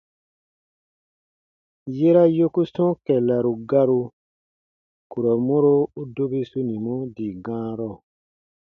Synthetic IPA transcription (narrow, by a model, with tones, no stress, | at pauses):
je˦ɾa˦jo˦ku˦sɔ̃˦kɛ˨la˨ɾu˨ɡa˦ɾu˧ | ku˨ɾɔ˨mo˦ɾo˦u˦do˦bi˦su˦nĩ˨mɔ̃˦di˨ɡã˦ɾɔ˦˨